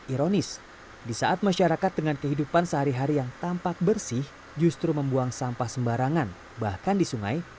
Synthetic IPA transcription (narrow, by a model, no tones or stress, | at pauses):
ʔiɾonɪs | disaʔat̪̚maʃaɾakat̪̚dəŋankəɦidupansəɦaɾiɦaɾijaŋt̪ampak̚bərsɪh | d͡ʒust̪ɾuməmbuaŋsampahsəmbaɾaŋan | bahkandisuŋa̰j